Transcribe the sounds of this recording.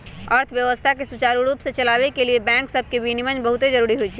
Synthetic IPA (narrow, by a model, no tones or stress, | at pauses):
əɾt̪ʰbjəʋəst̪ʰakesut͡ʃaɾuɾupsẽt͡ʃəlabekeliebɛ̃ŋksəbʱkebʱinimənbəɦut̪ed͡ʒəɾuɾiɦojt͡ʃʰi